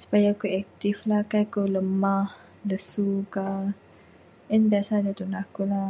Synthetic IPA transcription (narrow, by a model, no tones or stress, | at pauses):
su̥pajakuɛk̚t̪iflakakuləmah | ləsuka | ənbiasadat̪unakula